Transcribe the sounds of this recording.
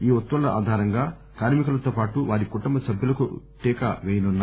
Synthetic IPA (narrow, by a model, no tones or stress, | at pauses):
iːɔt̪ːʋɐlɐʔa̰ːd̪ʱaːɾɐŋɡaː | kaːɾmikɐlɐt̪oːpaːʈuʋaːɾikuʈumbɐsɐbʱjulɐkṵ | ʈɛːkɐ̰ʋɛːjɐnunːaː